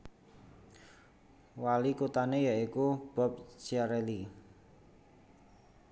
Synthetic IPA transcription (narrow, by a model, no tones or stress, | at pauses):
walikut̪anejaikub̥ɔ̤p̚t͡ʃaɾeli